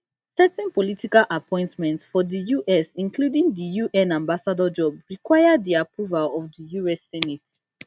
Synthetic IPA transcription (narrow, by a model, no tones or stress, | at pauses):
sɛtĩnpɔlitikalʔapʰɔ̃ɪ̃ntmɛ̃ntsfɔdəjuʔɛsĩnkʰludĩŋdəjuʔɛ̃nãmbasadəd͡ʒɔbɹikwaɪaddiapʰɹuvalɔvdəjuɛsːɛnit